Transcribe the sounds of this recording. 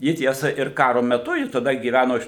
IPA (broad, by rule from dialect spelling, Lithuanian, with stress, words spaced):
ˈjɪ ˈtʲiɛsɐ ɪr ˈkɑːroː mʲɛˈtʊ ˈjɪ tɐˈdɐ ɡʲiːˈʋʲænoː ɪʃ